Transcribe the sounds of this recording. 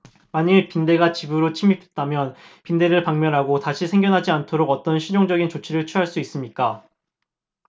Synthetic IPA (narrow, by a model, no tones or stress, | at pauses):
maɲipinde̞ɡat͡ɕibɯɾot͡ɕʰimipʰet̚t͈amjʌnpinde̞ɾɯɭpaŋmjʌnɦaɡotaɕʰisʰe̞ŋɡjʌnɦad͡ʑiantʰoɾoɡʌt͈ʌnɕʰid͡ʑoŋd͡ʑʌɡint͡ɕot͡ɕʰiɾɯɭt͡ɕʰuɦaɭs͈uis͈ɯmɲik͈a